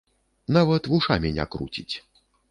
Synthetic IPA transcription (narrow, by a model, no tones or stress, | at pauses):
navɐt̪vuʂamʲɛnʲa̰kɾṵt͡sʲit͡sʲ